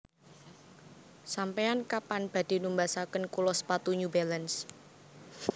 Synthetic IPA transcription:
sampeankapanb̥ä̤d̪̥i̤numbasakənkulɔspat̪uɲubɛləns

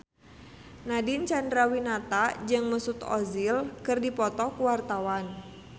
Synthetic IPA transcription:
nadint͡ʃandɾawinat̪ad͡ʒɨŋməsut̪ɔ̰zilkɨrdipɔt̪ɔkuwart̪awan

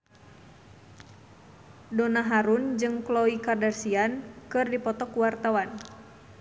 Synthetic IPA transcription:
donaɦaɾund͡ʒɨŋklɔikardarsiankɨrdipɔt̪ɔkuwart̪awan

